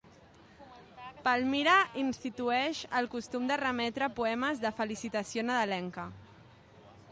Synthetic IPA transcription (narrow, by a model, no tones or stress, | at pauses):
palˠmiɾaʔinst̪it̪uɛʃəlˠkust̪umd̪ərəmɛt̪ɾəpuɛməzðəfəlisit̪əsionəðəlɛŋkə